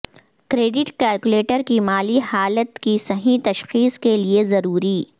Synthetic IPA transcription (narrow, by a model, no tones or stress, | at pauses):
kɾeːɖɪʈkɛːlkuleːʈəɾkimaːlihaːlət̪kisɐɦĩt̪ɐʃxiːskeliezɐɾuːɾiː